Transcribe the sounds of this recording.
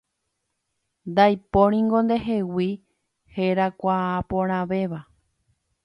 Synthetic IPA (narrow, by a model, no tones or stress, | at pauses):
nd̪ajpoɾ̃ĩŋɡõ̞nd̪e̞ɦe̞wi | heɾakʷaapõɾ̃ãʋe̞ʋa